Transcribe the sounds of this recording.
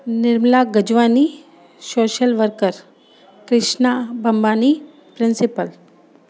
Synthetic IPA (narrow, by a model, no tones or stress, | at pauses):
nɪɾmlaɡəd͡ʒʋaːni | soːʃəlʋəɾkəɾ | kɾɪʃnabʱɐmbaːni | pɾɪnsɪpəl